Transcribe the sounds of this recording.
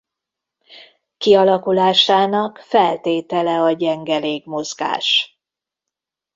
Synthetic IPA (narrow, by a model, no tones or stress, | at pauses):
kiɒlɒkulaːʃaːnɒkfɛlt̪eːt̪ɛlɛɒɟɛŋɡɛleːɡmo̞zɡa̰ːʃ